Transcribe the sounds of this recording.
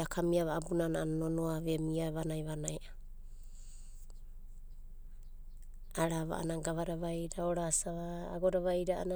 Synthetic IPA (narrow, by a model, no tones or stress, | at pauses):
akʰamiaβaabunanananonoaβemiaβanajβanajʔa | aɾaβa̰ʔa̰naɡaβaɾaβajɾaoɾasaβaːɡoɾaβajɾaʔa̰na